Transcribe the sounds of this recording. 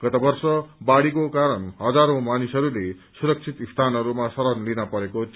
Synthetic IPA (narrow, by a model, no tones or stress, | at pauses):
ɡ̥ʌt̪ʌbʌrsʌbaɽikokaɾʌnɦʌd͡zaɾõmanisɦʌɾule | suɾʌk̚t͡sʰit̪ist̪ʰanɦʌɾumasʌɾʌnlinʌpʌɾeko